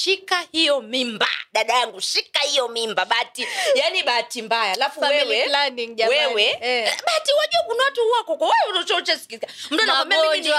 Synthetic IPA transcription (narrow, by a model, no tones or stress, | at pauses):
ʃikahijɔmimba̰ɗaɗajaŋɡuʃikahijɔmimbaɓatijaniɓaːtimbajalafuawɛwɛlaniŋʄawɛwɛɛɓaːtiwaʄuɔkunawatuuwakɔkɔwaunɔt͡ʃɔut͡ʃɛsi̥kikam̩tuanaɔmɛd͡ʒ